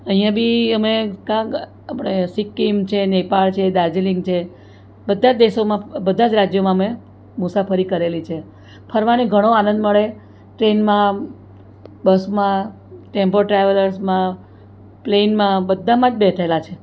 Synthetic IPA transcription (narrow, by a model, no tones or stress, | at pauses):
əɦijãbʱiəmekãk | apəɽ̃esikːimt͡ʃʰenepaɭt͡ʃʰed̪ad͡ʒeliŋɡt͡ʃʰe | bəd̪ʱːad͡ʒd̪eʃomãbəd̪ʱad͡ʒɾad͡ʒjomãəme | mʊsapʰəɾikəɾelit͡ʃʰe | pʰəɾʋaneɡʱəɽ̃oanə̃nd̪məɭe | ʈɾenmã | bəsmã | ʈempoʈɾaʋələɾsmã | plenmãbəd̪ʱːamãd͡ʒbet̪ʰaelat͡ʃʰe